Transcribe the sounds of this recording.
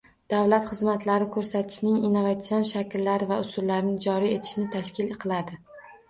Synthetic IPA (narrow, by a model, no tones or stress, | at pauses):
d̪̥avlat̪χɨzmat̪laɾɪkʰɵɾsat̪ʰɪ̥ʃnɪŋinːovat̪sionʃakʲʰɪlːaɾɪvaʊsʊlːaɾɪnɪd͡ʒɒɾie̞t̪ʰɪ̥ʃnɪt̪ʰaʃkʲɪleqʰɨlˠad̪ɪ